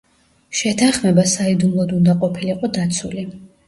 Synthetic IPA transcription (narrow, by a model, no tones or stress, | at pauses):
ʃɛt̪ʰanχmɛbasaid̪umlˠɔd̪und̪aqʼɔpʰiliqʼɔd̪at̪sʰuli